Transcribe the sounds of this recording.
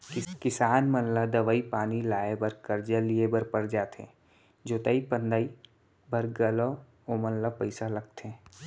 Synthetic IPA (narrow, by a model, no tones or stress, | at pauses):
kɪsaːnmənlad̪ɐʋəipaːnilaːebəɾkəɾd͡ʒəliebəɾpəɾd͡ʒaːt̪ḛ̃ː | d͡ʒoːt̪əipə̃nd̪ai | bʱəɾɡəlo | omənlapəɪsalɐɡ̚t̪e